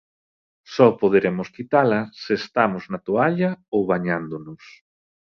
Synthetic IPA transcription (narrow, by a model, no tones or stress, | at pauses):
sɔpoð̞eɾemʊskit̪alɐseːst̪amoznat̪oaʎɐowβaɲand̪ʊnʊs